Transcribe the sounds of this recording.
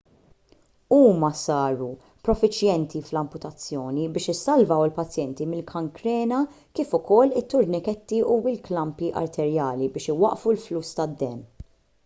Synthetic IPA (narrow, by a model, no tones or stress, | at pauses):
uːmɐsɐːɾu | pɾɔfɪt͡ʃjɛnt̪iflɐmpʊt̪ɐt͡sːjɔːnibɪːʃɪsːɐlvɐwɪlpɐt͡sjɛnt̪imɪlkʰɐŋkɾɛːnɐ | kiːfʊkɔlːɪt̪ːʊɾnɪkɛt̪ːiuːɪlklɐmpiʔɐ̰ɾt̪ʰɛɾjɐːlibɪːʃɪwɐʔfulfluːst̪ɐd̪ːɛ̰ːn